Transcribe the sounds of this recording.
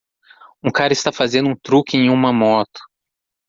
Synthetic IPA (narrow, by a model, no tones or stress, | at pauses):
ũkaɾɐɪst̪afazẽnd̪ʊũt̪ɾukʲɪẽj̃ũmɐmɔt̪ʊ̥